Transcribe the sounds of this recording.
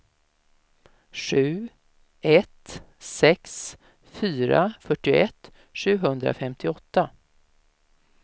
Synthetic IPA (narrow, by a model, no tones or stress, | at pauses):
ʂʉ̟ː | ɛt̪ | sɛks | fyːɾa̰fœʈːɪɛt̪ː | ʂʉ̟ːɦɵnd̪ɾa̰fɛmt̪ʰɪɔt̪ːa